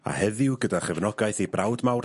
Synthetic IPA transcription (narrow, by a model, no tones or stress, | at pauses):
a̰hɛðɪwɡədaχɛvnɔɡajθibrawdmawr